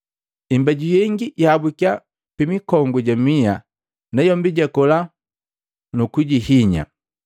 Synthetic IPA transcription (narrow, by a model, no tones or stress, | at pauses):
imbaɟujɛŋɡijabukja | pimikɔŋɡuɟamia | nɛjɔmbiɟɛkɔla | nukuɟihiɲa̰